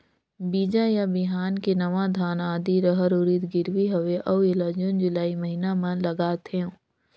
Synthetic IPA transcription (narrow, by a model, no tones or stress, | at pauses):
biːd͡ʒajabɪɦaːnkenɐʋad̪ʱaːnaːd̪iɾəɦəɾʊɾit̪ɡɪɾʋiɦɐʋeʔɐwelad͡ʒʊnd͡ʒʊlaːiməɦiːnamɐ̃lɐɡaːt̪ʰeõː